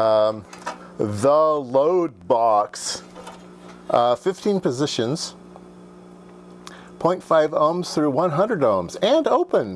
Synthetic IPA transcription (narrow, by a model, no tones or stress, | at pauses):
ðəloʊd̚bɑks | ʔfɪftʰĩnpɨzɪʃɨ̃nz̥ | pʰɔ̃ɪ̃ntfaɪvõʊ̃mz̥θɹʉwʌ̃nɦʌ̃ndɹəɾõʊ̃mzɨ̃noʊpɨ̃n